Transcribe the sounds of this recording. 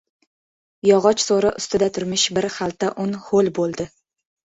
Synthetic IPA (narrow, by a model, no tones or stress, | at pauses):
jɒʁɒt͡ʃsoɾaʔʊst̪ɪd̪at̪ʰʊɾmɪʃbɪɾχalˠt̪ʰaʔʊnholˠbolˠd̪ɪ